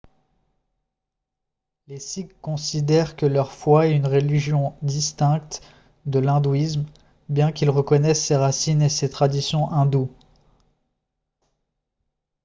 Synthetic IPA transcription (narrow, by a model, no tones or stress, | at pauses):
lesikːɔ̃sid̪ɛʁkəlœʁfwaɛynʁeliʒjɔ̃d̪ist̪ɛ̃k̚t̪ | d̪əlɛ̃d̪uism | bjɛ̃kʲilʁəkɔnɛsːeʁasineset̪χad̪isjɔ̃ʔɛ̃d̪u